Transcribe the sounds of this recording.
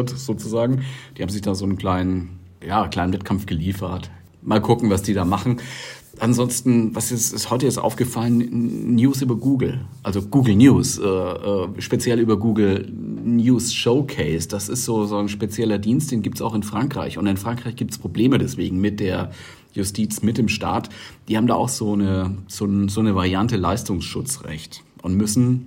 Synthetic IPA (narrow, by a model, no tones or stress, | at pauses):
tz̥oːt͡suzaːɡŋ̩d̥iːhaːbm̩zɪçd̥aːzoːnnkʰl̥aɪnən | jaːkl̥aɪnvɛt̚kʰamfɡ̥əliːfɐt | maːlkʰʊkŋ̩vasd̥iːdaːmaχn̩ | ʔanzɔnstn̩vasjɛt͡sɪsthɔʏtəɪstʔa̰ʊfɡ̥əfalənnjuːs̬ʔyːbɐɡuːɡl̩ʔalzoɡ̥uːɡl̩njuːsʔɛːʔɛːʃpet͡sjɛlʔyːbɐɡuːɡl̩ | njuːsʃoʊkʰɛɪsd̥asɪstz̥oːzoːnʃpet͡sjɛlɐdiːnst̚d̥eːnɡiːp̚tsa̰ʊxɪnfʁ̥aŋkʁ̥a̰ɪçʊntɪnfʁ̥aŋkʁ̥aɪçɡ̥iːptspʁ̥obleːmədɛsv̥eːɡŋ̩mɪt̚d̥eːɐ | jʊstʰiːt͡smɪt̚d̥eːmʃta̰ːtd̥iːhaːbm̩da̰ːʔʊxz̥oːnəz̥oːnzoːnəvaʁiantəlaɪstʊŋsʃʊt͡sʁɛ̰çtʔʊntmʏsn̩